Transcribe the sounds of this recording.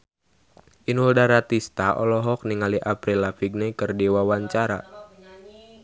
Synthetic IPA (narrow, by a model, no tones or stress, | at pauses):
ʔinuldaɾat̪ist̪aʔɔ̰lɔɦɔk̚niŋaliʔapɾilafiɡ̚nɛkɨrdiwawaɲt͡ʃaɾa̰